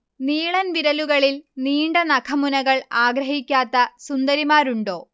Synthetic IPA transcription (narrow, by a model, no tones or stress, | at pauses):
niːɭɐnʋiɾɐluɣɐɭilniːɳɖɐnɐkʰɐmunɐɣɐɭaːɡɾɐɦikʲːaːt̪ːɐsund̪ɐɾimaːɾuɳɖo̞̰ː